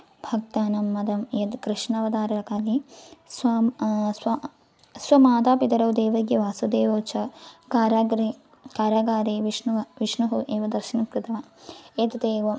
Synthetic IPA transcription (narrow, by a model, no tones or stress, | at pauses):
bʱɐk̚t̪aːnɐmːɐd̪ɐmjɐt̪kɾiʂnɐʋɐd̪aːɾɐɾɐkaːliswasɐ | swɐmaːd̪aːpit̪ɐɾɐwd̪eːʋɐɡjɐʋaːsɐd̪eːʋoːt͡ʃʰɐkaːɾaːɡɾi | kaːɾaːɡaːɾeːʋiʂnuʋɐʋiʂnuɦuʔeːʋɐd̪ɐɾʃinɐkɾɨt̪ɐʋɐeːt̪ɐt̪eːʋɐ